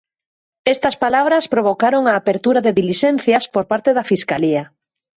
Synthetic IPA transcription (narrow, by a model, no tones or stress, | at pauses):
est̪ɐspalaβ̞ɾɐspɾoβ̞okaɾoŋaːpeɾt̪uɾaðeðiliʃɛn̟θjɐspoɾpaɾt̪eðɐfiskaliɐ